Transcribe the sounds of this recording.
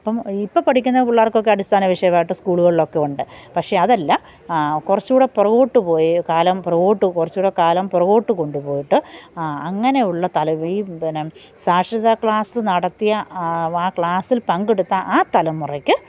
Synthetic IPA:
ɐpːɐmipːopɐʈʰikʲːunːɐuɭːaːrkːo̞kːe̞ɐɽist̪ʰaːnɐʋiʂɐjɐʋaːjiʈːɨskuːɭuɣɐɭilo̞kːe̞uɳɖɨpɐkʂe̞ɐðɐlːɐ | kurɐt͡ɕːuːɽepurɐɣo̞ːʈːɨpo̞ːjikaːlɐmprɐʋo̞ːʈːɨkurɐt͡ɕːuːɽekaːlɐmpurɐɣo̞ːʈːɨko̞ɳɖupo̞ːjiʈːɨɐŋːɐne̞juɭːɐt̪ɐlɐiːn | saːʂɾɐðakɭaːsɨnɐɽɐt̪ːijɐaːkɭaːsilpɐŋɡeɽut̪ːɐʔaːt̪ɐlɐmːurɐkʲːɨ

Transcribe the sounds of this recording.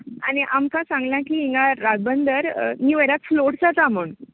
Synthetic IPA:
a̰ɽ̃iʔamkãsãŋɡljãkiːĩŋɡaɾaɡ̚bənd̪əɾmiːʋəɾat͡s̪floʈd͡zat̪aməɳ

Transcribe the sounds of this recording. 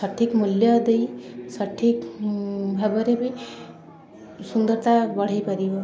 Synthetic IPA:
sʌʈʰːikmuljʌd̪ejsʌʈʰik | bʱabʌɾebij | sund̪ʌɾt̪abʌɽ̤ajpʌɾibʌ

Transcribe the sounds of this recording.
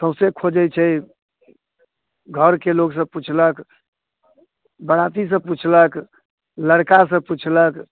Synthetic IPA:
t̪ə̃sẽkʰod͡ʒɛt͡ʃʰɛ | ɡʱəɾkeloɡs̬ə̃b̚put͡ʃʰlək | bəɽat̪is̬ə̃put͡ʃʰlək | ləɽkasə̃put͡ʃʰlək

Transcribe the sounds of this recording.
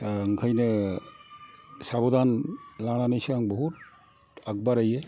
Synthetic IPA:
ŋkʰajnɯ | sabɔdanlananejsaŋbɔhut̚ | ak̚baɾaje

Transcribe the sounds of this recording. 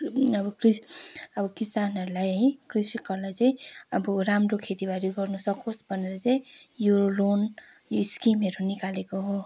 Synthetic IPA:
ʌbʌkɾisʌbʌkisanɦʌɾulajʌɦĩkriskʌɾlajt͡saĩʌbuɾamɾokʰet̪ibaɾiɡʌrnusʌkosbʌneɾʌt͡sãĩjuolon | joiskimɦeɾunikalekoɦo

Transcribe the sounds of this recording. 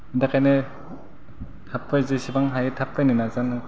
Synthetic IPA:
ɯndakajnɯ | tʰapːɯjzɯsibaŋɦajɯtʰapːɯjnɯnazanɯ

